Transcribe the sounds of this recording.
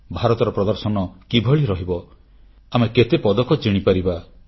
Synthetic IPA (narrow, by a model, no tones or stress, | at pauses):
bʱaɾɔt̪ɔɾɔpɾɔd̪ɔɾsɔnɔkibʱɔɭiɾɔɦibɔ | ameket̪epɔd̪ɔkɔt͡ʃiɽ̃ipaɾiba